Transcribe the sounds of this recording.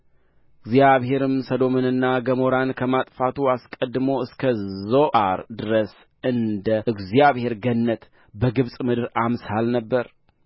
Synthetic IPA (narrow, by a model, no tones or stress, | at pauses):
ɨɡzjaβhe̞ɾɨmsəd̪o̞mɨnɨnːaɡəmo̞ɾankʰəmat̪ʼfat̪ʰuaskʼəd̪ːɨmoɨskʰəzoʔaɾd̪ɨɾəs | ɨnd̪əʔɨɡzjaβhe̞ɾɡənːət̪ | bəɡɨβsʼmɨd̪ɨɾamshalnəbːəɾ